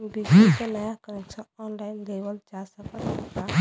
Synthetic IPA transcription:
bid͡ʒikenajakəɾɛksə̃ɔnlainlebəld͡ʒasəkəlɔka

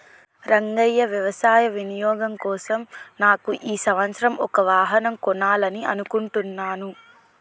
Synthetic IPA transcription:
ɾɐŋɡɐjːɐʋjɐʋɐsaːjɐʋinijɔːɡɐmkɔːsɐmnaːkuʔiːsɐʋɐnsɐɾɐmʔɔkɐʋaːɦɐnɐmkɔnaːlɐniɐ̰nukuɳʈunːaːnu

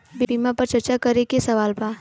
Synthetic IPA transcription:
bibimãpɐɾt͡ʃɐɾt͡ʃakɐɾekesɐʋaːlpaː

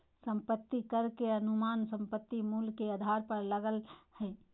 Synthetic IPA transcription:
sə̃mpət̪ːikəɾkeɐnumaːnsə̃mpət̪ːimuːlkead̪ʱaɾpəɾləɡəlhɛ

